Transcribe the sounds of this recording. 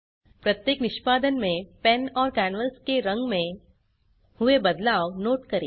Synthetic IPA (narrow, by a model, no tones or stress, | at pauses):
pɾɐt̪jeːknɪʃpaːd̪ənmẽpɛnɔːɾkɛːnʋəlskeɾɐ̃ŋɡmẽ | hʊebɐd̪laːonoːʈkɐɾiː